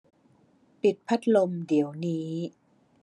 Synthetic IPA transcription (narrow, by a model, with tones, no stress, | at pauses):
pi˨˩t̪̚pʰa˦˥t̪̚lo˧mdi˩˦əwniː˦˥